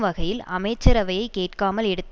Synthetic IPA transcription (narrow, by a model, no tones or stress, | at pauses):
ʋɐɣɐjɪlɐ̰mɐɪt͡ʃːɐɾɐʋɐjɐɪkeːʈkaːmɐlɛɽɯt̪ː